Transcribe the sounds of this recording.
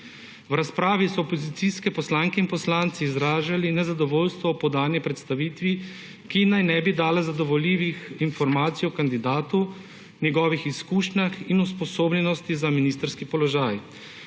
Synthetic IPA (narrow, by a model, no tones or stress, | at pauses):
wɾaspɾaːʋisɔːpɔzit̪iskɛpɔslaːŋkɛinpɔslaːnt̪siːzɾaːʒalinɛzad̪ɔʋoːlst̪ʋɔpɔd̪aːnjɛpɾɛt̪st̪aʋiːt̪ʋi | kinajnɛbid̪aːlɛzad̪ɔʋɔliːʋixinfɔɾmaːt̪sijɔkand̪id̪aːt̪u | njɛɡɔːʋixiskuːʃnaxinuspɔsoːblɛnɔst̪izaminist̪ɾskipɔlɔʒaːj